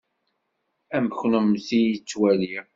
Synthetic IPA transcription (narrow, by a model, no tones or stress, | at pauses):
æmçnəmθijit͡sːwæliɾ